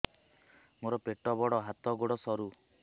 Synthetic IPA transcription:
moɾɔpeʈɔbɔɽɔɦat̪ɔɡoɽɔsɔɾu

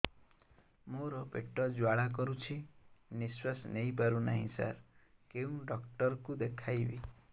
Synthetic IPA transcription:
moɾɔpeʈːʌd͡ʒwaɭak̬ɔɾut͡ʃʰiniswasnejpaɾunaɦĩsa̰ɾkeũɖʌkʈʌɾkud̪ekʰajbi

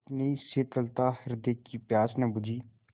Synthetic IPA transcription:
pniiseːt̪əlt̪aːhɪɾd̪eːkipjaːsnẽbʊd͡ʒiː

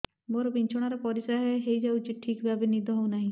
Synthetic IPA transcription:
bɔɾɔpiɲt͡ʃʰɔɽ̃aɾɔpɔɾisaɦɛɦejd͡ʒaut͡ʃʰiʈʰiːkbjabinid̪ʱɔɦɔnaɦĩ

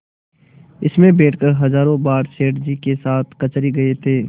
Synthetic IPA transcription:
ɪsmẽbeːʈʰkɐɾɦɐzaːɾõbaːɾseːʈd͡ʒikesaːt̪ʰkɐt͡ʃɾiɡɐet̪ʰeː

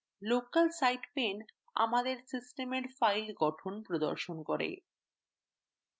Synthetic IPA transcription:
lokalsajʈpen | a̰mad̪eɾsisʈemeɾfajlɡɔʈʰonpɾod̪o̰ɾʃonkoɾḛ

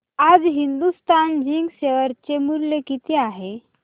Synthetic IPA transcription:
ad͡zɦind̪ust̪and͡ʑiŋɡɕeʋəɾt͡ɕemuɾlekit̪eaɦe

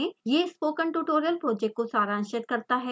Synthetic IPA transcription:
jeːspoːkəɳʈuːʈoːɾijəlpɾoːd͡ʒɛk̚kosaːɾanʃɪt̪̚kɐɾt̪aɦɛː

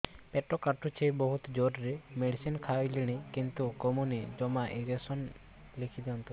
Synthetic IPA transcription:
peʈɔkaʈut͡ʃʰebɔɦut̪d͡ʒoɾɾemeɖisinkʰajliɽ̃ikint̪ukɔmunid͡ʒɔmaʔed͡ʒesɔn | likʰid̪eɔnt̪ɔ

